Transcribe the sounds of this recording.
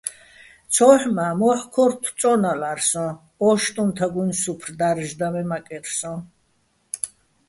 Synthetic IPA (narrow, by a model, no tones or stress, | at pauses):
t͡sʰɔħmamɔħkʰɔɾt̪ʰt͡sʼɔnalaɾsɔ̃ | ɔʃt̪ʼũnt̪ʰaɡunsupʰrd̪aɾʒd̪amɛmakʼɛɾsɔ̃